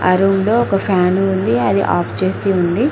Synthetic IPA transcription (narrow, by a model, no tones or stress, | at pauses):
ɐ̰ɾuːmloːɔkɐpʰaːnuund̪iɐd̪ḭʔa̰ːpʰt͡ʃeːsiund̪i